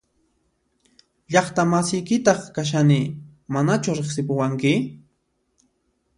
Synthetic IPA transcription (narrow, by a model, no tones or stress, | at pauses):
ʎɑχt̪amasɪjkɪt̪ɑχkaʃ̬anɪmanat͡ʃʊɾeχsɪpʊwaŋkɪ